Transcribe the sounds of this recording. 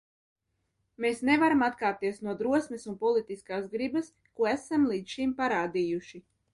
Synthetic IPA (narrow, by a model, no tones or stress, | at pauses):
meːsnevaɾamat̪kaːɾt̪iɛsnuɔd̪ɾuɔsmesunpɔlˠit̪iskaːsɡɾibas | kuɔæsamlˠiːt̪sʃimpaɾaːd̪ijuʃi